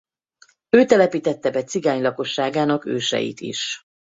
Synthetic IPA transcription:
øːt̪ɛlɛpiːt̪ɛt̪ːɛbɛt̪siɡaːɲlɒko̞ʃːaːɡaːnɒkø̰ːʃɛ̰jḭt̪ḭʃ

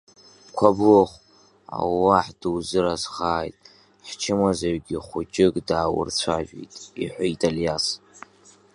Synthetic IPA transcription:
kʷʰaboχʷ | a̰wwaħd̥ɨwzɨɾazχaːjtʼ | ħt͡ʃʰɪmazaɥɡʲiχʷʊt͡ʃʼɪkʼdaːwʊ̰rt͡sʷʰaʒᶣḛjtʼiħʷaitʼaljas

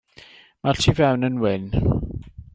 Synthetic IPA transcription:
matʰivɛwnənwɪn

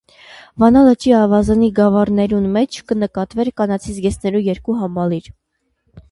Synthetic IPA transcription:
vɑnɑlət͡ʃʰiɑvɑzɑniɡɑvɑrnɛɾunmɛt͡ʃʰkənəkɑt̪vɛɾkɑnɑt͡sʰisɡɛsnɛɾujɛɾkuɦɑmɑliɾ

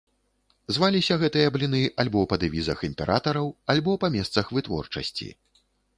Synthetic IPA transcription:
zvalʲisʲɐɣɛt̪ɨjɐblʲinɨʔalʲbɔpɐd̪ɨvʲizɐximʲpʲɛɾʔat̪ɐɾɐwalʲbɔpɐmʲɛst̪sɐxvɨt̪vɔ̰rt͡ʂɐ̰sʲt͡sʲḭ

